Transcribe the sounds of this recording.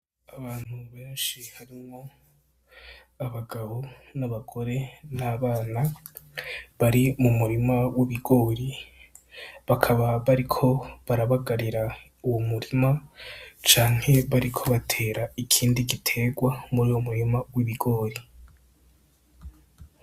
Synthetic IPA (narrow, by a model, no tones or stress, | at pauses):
aβaːn̥huβe̞ːnʃihaɾimo | aβaɡaβonaβaɡo̞ɾe̞naːβaːna | βaɾimumuɾimawiβiɡo̞ːɾi | βakʰaβaβaɾikʰo̞βaɾaβaɡaɾiɾa | uwomuɾimat͡ʃaːŋ̥he̞βaɾikʰo̞βatʰe̞ːɾaikʰiːndiɡitʰe̞ɡwamuɾiwomuɾimawiβiɡo̞ːɾi